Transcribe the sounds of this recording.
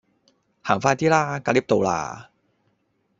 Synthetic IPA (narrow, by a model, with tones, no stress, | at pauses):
haː˨˩ŋfaː˧jt̪iː˥laː˧˥kaː˧liː˦˥p̚t̪o˨˧wla̰ː˧˩